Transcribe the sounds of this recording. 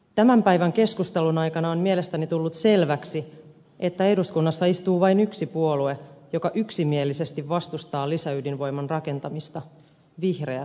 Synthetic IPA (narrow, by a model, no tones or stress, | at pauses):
t̪æmæmpæjʋæŋke̞skust̪elunɑjkɑnɑommie̞le̞st̪ænit̪ulːut̪se̞lʋæksi | ʔe̞t̪ːæe̞duskunːɑsːɑist̪uːʋɑjnyksipuo̞lue̞jokɑʔyksimie̞lːise̞st̪iʋʋɑst̪ust̪ɑːlisæydinʋo̞jmɑnrɑke̞nt̪ɑmist̪ɑ | ʋihre̞æ